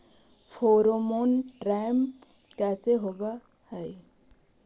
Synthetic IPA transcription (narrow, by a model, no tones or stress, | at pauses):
fʰoːɾomonʈɾajm | kɛːseɦoba | həj